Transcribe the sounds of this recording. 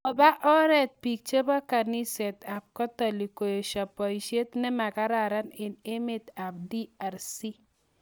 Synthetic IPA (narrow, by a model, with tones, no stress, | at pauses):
ɔ˨ba˦ʔɔ˦ɾɛ˦t̪̚pi˨k̚t͡ʃe˦ba˦ka˨ni˦sɛ˨t̪a˨p̚kɔ˦t̪a˨li˨ko˨jo˨ʃa˨pɔ˨iʃe˦t̪nɛ˦ma˨ka˦ɾa˨ɾa˦nɪ˨ne˦me˦t̪a˨p̚di˦a˨ɾsi˦